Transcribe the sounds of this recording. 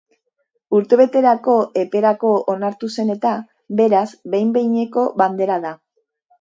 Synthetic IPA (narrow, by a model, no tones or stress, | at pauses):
uɾt̪e̞βe̞t̪e̞ɾako̞ʔe̞pe̞ɾako̞onaɾt̪use̞ne̞t̪a | be̞ɾazbe̞jmbe̞jɲe̞ko̞βand̪e̞ɾað̞a